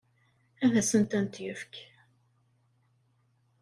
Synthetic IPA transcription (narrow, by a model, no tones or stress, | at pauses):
ævæsənt̪ænt̪jəfk